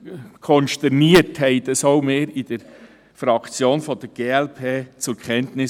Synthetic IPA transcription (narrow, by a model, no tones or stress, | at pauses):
kʰɔnʃtɛɾniəthɛɪd̪əsoʊmeːɾɪd̥əɾ | fɾɑkt͡sjoːnfɔd̥əɾɡ̥eːɛlpʰeːt͡sʊɾkʰχɛntnɪ